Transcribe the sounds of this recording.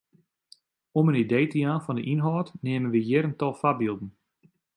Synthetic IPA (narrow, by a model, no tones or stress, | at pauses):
ɔmənidejtəjaːnfɔndəʔinɦɔːtneːmənʋəjɪɾəntɔlˠfabilˠdən̩